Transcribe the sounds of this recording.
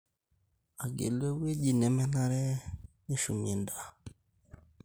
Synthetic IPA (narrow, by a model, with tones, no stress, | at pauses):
a˨ɡḛ˨lwe˦we˦d͡ʒi˦˨nɛ˨mɛ˦na˦ɾɛ˦ni˦ʃu˨mi˨e˨nda˦˨